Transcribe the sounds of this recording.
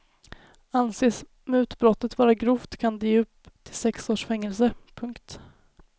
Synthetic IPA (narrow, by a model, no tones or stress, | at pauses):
anseːs | mɛʉ̟ːt̪bɾɔt̪ːət̪vɑːɾaɡɾuːft̪kʰand̪ɵpːt̪ʰɪlsɛksoːʂfɛŋːɛlsəpʰɵŋkt̪